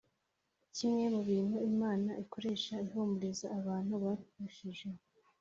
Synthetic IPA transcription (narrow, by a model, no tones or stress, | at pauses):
cimŋe̞muβiːn̥huimaːnaʔiko̞ɾe̞ːʃaiɦoːmbuɾezaːβaːn̥huβakuʃiʒe